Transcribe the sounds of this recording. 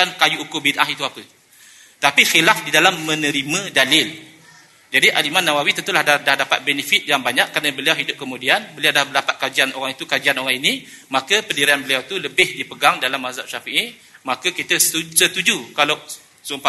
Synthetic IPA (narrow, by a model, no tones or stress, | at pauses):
ankajuːkʊbidʔaɦit̪uapə | t̪apixilafdidalamːə̃nə̃ɾimə̃dalɪl | d͡ʒadiʔalimanːawawit̪ənt̪ulahadahdapa̰t̪̚bɛnəfit̪̚jaŋbaɲãkːɾanəbəliawɦidʊp̚kəmũdianbəliawdahbəlapat̪̚kad͡ʒiano̰ɣaŋit̪ukad͡ʒianoɣaŋinĩ | makəpəndiɾaanbəliawt̪uləbɪhdipəɡaŋdalamːazaʔ̚ʃafiʔi | makəkit̪əsət̪ud͡ʒukala | sumpa